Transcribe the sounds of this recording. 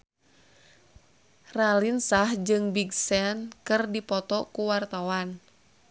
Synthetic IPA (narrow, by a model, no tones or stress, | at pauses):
ralinsahd͡ʒɨŋbiɡsɛnkɨrdipɔt̪ɔkuwart̪awan